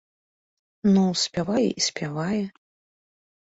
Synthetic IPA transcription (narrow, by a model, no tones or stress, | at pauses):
nusʲpʲavajɛ̰ʔisʲpʲʰavajɛ